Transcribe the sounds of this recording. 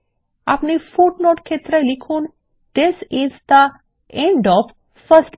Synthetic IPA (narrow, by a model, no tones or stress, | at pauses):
a̰pnifuʈnoʈkʰet̪ɾəlikʰũːn | d̪ɪsɪzd̪ə | ẽɳɖɔfː | əsʈ